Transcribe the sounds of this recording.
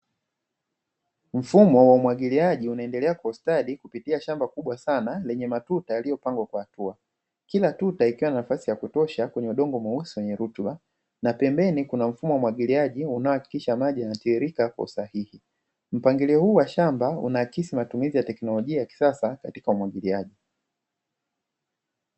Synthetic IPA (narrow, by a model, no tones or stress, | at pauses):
m̩fumɔwaumwaɠiliaʄiunaɛndɛlɛakwaustaɗikupitiaʃambakuɓwasanalɛɲɛmatutajalijɔpaŋɡwakwahatua | kilatutaikiwananafasijakutɔʃakwɛɲɛuɗɔŋɡɔmwausiwɛɲɛɾutɓa | napɛmbɛnikunam̩fumɔwaumwaɠiliaʄiunaɔhaki̥kiʃamaʄijanatiiɾikakwa̰usahihi | m̩paŋɡiliɔhuːwaʃambaṵnaːkisimatumizijatɛknɔlɔʄiajaki̥sasakatikaumwaɡiliaʄi